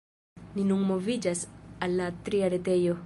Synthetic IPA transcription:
ninunmovid͡ʒasalːatɾiaɾete̞jo̞

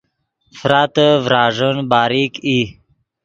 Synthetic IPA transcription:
fɾat̪əvɾaːʐənbaːɾiki

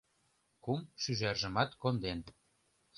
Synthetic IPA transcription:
kumʃyʒærʒə̆mɑt̪kond̪en

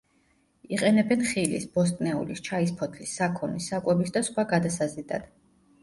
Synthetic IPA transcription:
iqʼɛnɛbɛnχilḭsbɔst̪ʼnɛṵlist͡ʃʰaispʰɔt̪ʰlisːakʰɔnisːakʼwɛbisd̪asχwaɡad̪asazid̪a̰d̪̥

